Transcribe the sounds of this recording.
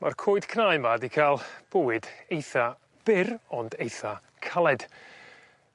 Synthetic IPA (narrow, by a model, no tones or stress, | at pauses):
markʰoːɨd̥kʰrajmadikʰaːlˠb̥owɨdejθa | b̥ɪrɔndejθa | kʰalˠɛd̥